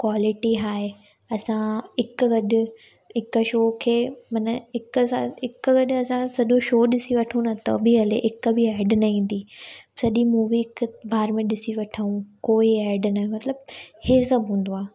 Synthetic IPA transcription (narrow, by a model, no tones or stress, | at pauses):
kwaːlɪʈiɦaːe | ɐsãɪkɡɐɗʊ̆ | ɪkʃoːkʰeːmɐnəɪksaɪkɡɐɗɐsãsɐʄoʃoːɗɪsiʋɐʈʰũnɐt̪o̰biɐleʔɪkbʱɪɛːɾɖnɐĩːn̆d̪iːsɐʄimuːʋikbʱaːɾmẽɗɪsiʋɐʈʰəũkoːiɛːɾɖnaɦẽmɐt̪ləbheːsɐbɦũːn̆d̪oaː